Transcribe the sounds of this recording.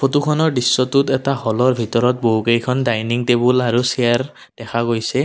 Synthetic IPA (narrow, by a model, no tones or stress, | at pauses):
pʰotukʰɔnɔɹdisːɔtutɛtahɔlɔɹbʱitɔɹɔt̚boɦukejkʰɔndajniŋtebulaɹuseaɹ | d̥ɛkʰaɡojsɛ